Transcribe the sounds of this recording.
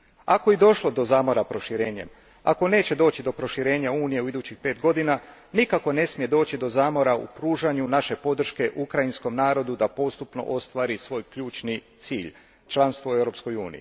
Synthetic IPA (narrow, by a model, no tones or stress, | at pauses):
akojid̪o̞ʃlo̞d̪o̞zaːmo̞ɾapɾo̞ʃiɾeːɲe̞̰m | a̰ko̞ne̞ːt͡ɕe̞d̪o̞ːt͡ɕid̪o̞pɾo̞ʃiɾe̞ːɲauːnije̞uid̪uːt͡ɕixpe̞ːt̪ɡo̞d̪inanikako̞ne̞smije̞d̪o̞ːt͡ɕid̪o̞zaːmo̞ɾaṵpɾuːʒaɲunaʃe̞po̞d̪r̩ʃke̞ʔukɾainsko̞mnaːɾo̞d̪ud̪apo̞st̪upno̞̰ʔo̞st̪ʋaːɾisʋo̞ːjkʎuːt͡ʃnit̪siːʎ | t͡ʃlˠanst̪ʋoe̞vɾo̞psko̞juːnḭjḭ